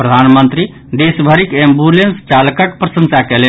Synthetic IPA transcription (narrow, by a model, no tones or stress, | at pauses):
pɾəd̪ʱanmənt̪ɾi | d̪esbʱəɾikembulenst͡ʃalkəʈpɾəsə̃nsakɛle